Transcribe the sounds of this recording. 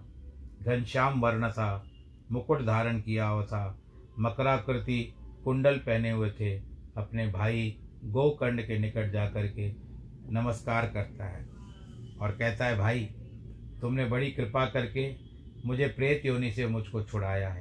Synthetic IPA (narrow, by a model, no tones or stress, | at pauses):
ɡʱɐnʃaːmʋɐɾɽ̃t̪ʰa | mʊkʊʈd̪ʱaːɾənkijaɦot̪ʰa | mɐkɾakɾɪt̪ikʊ̃ɳɖəlpɛɦneɦʊet̪ʰeɐpnebʱaːiɡoːkə̃ɳɖkenɪkəʈ̚d͡ʒaːkɐɾke | nɐməskaːɾkɐɾt̪aɦɛː | ɔːɾkɛɦt̪aɦɛbʱaːi | t̪ʊmnebɐɽikɾɪpakɐɾke | mʊd͡ʒʱepɾeːt̪ɦoːnesemʊd͡ʒʱkot͡ʃʰʊɽaːjaɦɛː